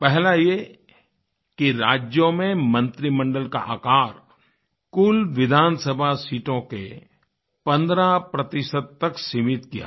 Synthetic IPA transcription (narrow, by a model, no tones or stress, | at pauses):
pɛɦlaje | kiɾaːd͡ʒjõmẽmɐ̃nt̪ɾimə̃ɳɖəlka̰ʔa̰ːkaːɾ | kʊlʋɪd̪ʱaːnsəbʱasiːʈõkḛ | pɐ̃nd̪ɾapɾɐt̪ɪʃəd̪̚t̪ɐksimɪt̪kija̰